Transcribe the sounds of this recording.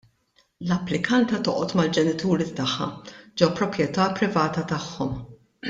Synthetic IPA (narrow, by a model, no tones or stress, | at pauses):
lɐpːlɪkɐnt̪ɐt̪ɔʔɔt̪mɐld͡ʒɛnɪt̪uːɾit̪ɐħːɐ̰d͡ʒɛwpɾɔpjɛt̪ɐːpɾɪvɐːt̪ɐt̪ɐħːɔm